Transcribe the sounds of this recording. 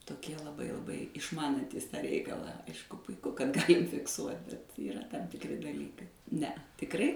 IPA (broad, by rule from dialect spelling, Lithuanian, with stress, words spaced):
toːˈkʲiɛ lˠɐˈbɐɪ lˠɐˈbɐɪ ɪʃˈmɑːnɐnʲtʲiːs ˈtɑː ˈrʲɛɪkɐlˠɑː ˈɐɪʃkʊ pʊɪˈkʊ kɐt ˈɡɑːlʲɪm fʲɪkˈsuɔtʲ bʲɛt iːˈrɐ tɐm tʲɪkˈrʲɪ dɐˈlʲiːkɐɪ ˈnʲɛɐ tʲɪkˈrɐɪ